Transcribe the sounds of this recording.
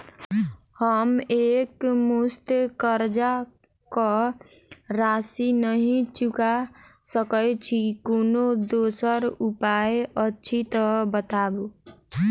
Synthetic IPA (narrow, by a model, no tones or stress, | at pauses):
həmekmust̪kəɾd͡ʒa | kɔ | ɾasinəɦĩt͡ʃukasəkəjt͡ʃʰikonod̪osəɾupaeətːt͡ʃʰit̪əbət̪abo